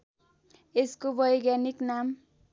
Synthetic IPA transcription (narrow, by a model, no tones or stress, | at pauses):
eskobʌjɡjaniknam